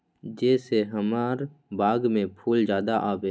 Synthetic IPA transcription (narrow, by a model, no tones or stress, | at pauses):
d͡ʒɛːseɦəmaːɾbaːɡmẽpʰuːld͡ʒjaːd̪aʔaːbeː